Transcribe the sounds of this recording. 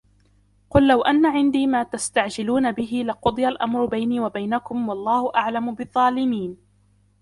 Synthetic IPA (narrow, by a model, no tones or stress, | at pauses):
qʊlːawʔanːaʕɪnd̪iːmaːt̪ast̪aʕd͡ʒɪluːnabɪɦɪlaqʊd̪ˤɨjalʔamɾʊbajniːwabajnakʊmwɑlˤːɑːhʊʔaʕlamʊbɨðˤːɑːlɪmiːn